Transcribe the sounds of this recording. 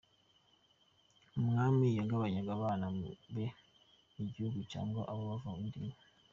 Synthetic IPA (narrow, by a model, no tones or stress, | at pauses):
umŋaːmijaŋɡaβaɲaɡaβaːnaβe | miɟihuɡuca̰ːŋɡoʔaβoβavaundime